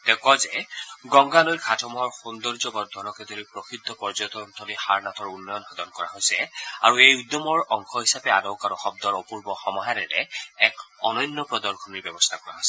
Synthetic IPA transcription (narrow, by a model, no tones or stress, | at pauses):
t̪ɛkɔzɛɡɔŋɡalojkʰatʰɔmɔɔɹxund̪ɔɹzɔbɔd̪ʱɔnɔkɛd̪oɹipɹɔxʰit̪ːɔpɔɹzɔt̪ɔnt̪ʰɔlihaɹnatʰɔɹunːɔjɔnxɔd̪ɔnkɔɹa̰ɦojsɛa̰ɹuejud̪jɔmɔɹɔŋkʰɔɦisapɛadɔwkaɾɔxɔb̚d̪ɔɹɔpuɹbɔxɔmɔɦaɾɛɾɛ̰ɛkɔ̰nɔjnːɔpɹɔd̪ɔɹkʰɔniɹbɛbɔst̪ʰakɔɹa̰ɦsɛ